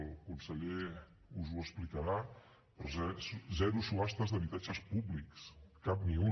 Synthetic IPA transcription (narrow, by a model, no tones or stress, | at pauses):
lˠkunsəʎe | uzuəsplikəɾa | pəɾzɛzɛɾusuast̪əzðəβit̪ad͡ʒəspuβlikskap̚miu